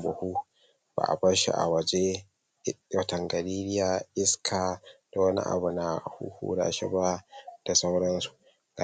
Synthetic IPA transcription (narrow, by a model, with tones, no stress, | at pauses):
bʊ˨hu˦ | ba̰ː˨ʔa̰˨bɐ˦ɾʃḭ˦ʔa̰˨wɐ˨d͡ʒe˦ | wɐ˨tɐ˨ŋɡɐ˨liː˦ɾɪ˦jaː˨ʔɪ˦skʰaː˨d̥a˨wɐ˦nḭ˦ʔa̰˨bu˨na˨hṵ˦hṵː˦ɽa̰ː˨ʃɛ˦ba˦d̥a˨sa˦wɽɐ˦nsu̥˨ | ɡa˨